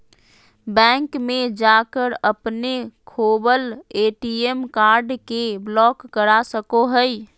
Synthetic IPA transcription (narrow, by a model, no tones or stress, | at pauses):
bɛ̃ŋkmẽd͡ʒakəɾəpnekʰobəleʈiemkaɾɖkeblɔːkːəɾasəkoɦəj